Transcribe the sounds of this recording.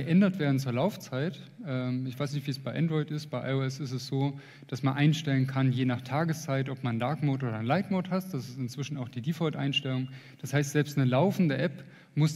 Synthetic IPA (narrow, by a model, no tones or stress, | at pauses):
əʔɛndɐtv̥eːɐdn̩t͡suːɐlaʊft͡saɪtʔɛːmɪçv̥aɪsnɪçtv̥iːsb̥aɪʔɛndʁɔʏɪtɪstb̥aɪʔa̰ɪoɛsɪstɛsz̥oː | d̥asmanʔaɪnʃtɛlənkʰanjeːnaːχtʰaːɡəst͡saɪtɔpmanndaɐkmoːtʔoːɾɐnlaɪtmoːthast̚d̥asɪstɪnt͡sv̥ɪʃn̩aʊxd̥iːdiːfɔtʔa̰ɪnʃtɛlʊŋ | d̥ashaɪstz̥ɛlpstnəlaʊfn̩dəʔɛp | mʊs